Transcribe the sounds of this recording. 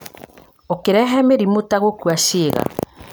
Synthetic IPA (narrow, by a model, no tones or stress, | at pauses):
okeɾɛɦɛmeɾimotaɣokuaʃeːɣa̰